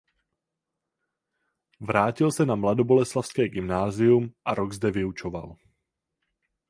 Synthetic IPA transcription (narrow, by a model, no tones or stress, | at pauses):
vɾaːcɪlsɛnamlado̞bo̞lɛslafskɛːɡɪmnaːzɪjumʔaɾoɡzdɛvɪut͡ʃova̰l